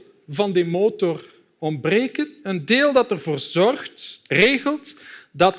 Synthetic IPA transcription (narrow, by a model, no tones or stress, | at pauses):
vɑndəmoːtɔr | ɔmbreːkənəndeːlˠdɑtərvoːrzɔrxtreːɣəlˠtdɑt